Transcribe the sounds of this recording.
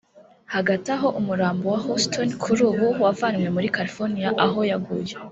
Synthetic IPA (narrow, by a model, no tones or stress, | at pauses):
haɡataɦo̞ʔumuɾaːmbowahostʰonkʰuɾuːβuwavanŋwe̞muɾikaɾifoɾnijaʔaɦo̞jaɡṵje